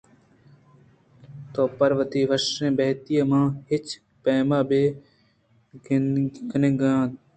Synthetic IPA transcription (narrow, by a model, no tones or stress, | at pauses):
t̪oːpəɾʋət̪iːʋəʃẽːbɛːt̪ijãːmãːhɪt͡ʃ | peːmaːbeː | ɡəneɡãː